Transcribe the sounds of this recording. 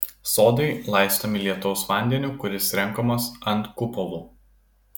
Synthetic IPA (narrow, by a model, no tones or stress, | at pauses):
soːd̪ɐɪlˠɐɪst̪oːmʲɪlʲiɛt̪ɔʊsʋɑˑnʲd̪ʲɛnʲuːkʊɾʲɪsɾʲɛŋˑkoːmɐsɐnt̪kʊpɔʋuː